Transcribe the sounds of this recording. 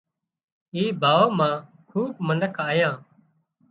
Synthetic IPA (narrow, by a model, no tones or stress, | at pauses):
iːbʱaːoːmãː | kʰuːb̚mənəkʰaːjãː